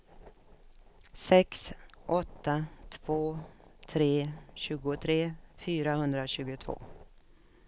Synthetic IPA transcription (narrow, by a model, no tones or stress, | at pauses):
sɛksʔɔt̪ːat̪ʰv̥oːt̪ʰɾeːɕʉ̟ːɡʊt̪ʰɾeːfyːɾahɵnd̪ɾaɕʉ̟ːɡʊt̪ʰv̥o̰ː